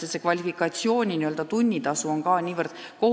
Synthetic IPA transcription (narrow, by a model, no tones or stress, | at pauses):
esekvɑlʲifikːˑɑt̪sio̞ːnʲiniøld̪̥ɑt̪unʲːit̪ɑsuo̞nkɑːnʲiːvərd̪̥ko̞